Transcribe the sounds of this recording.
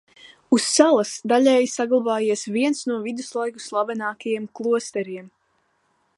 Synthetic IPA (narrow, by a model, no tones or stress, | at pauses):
usːalˠasd̪aʎʲɛːjsaɡlˠabaːjiɛsviɛnsnuɔvid̪uslˠajku̥slˠabɛnaːkajiɛmklˠuɔst̪ɛɾiɛm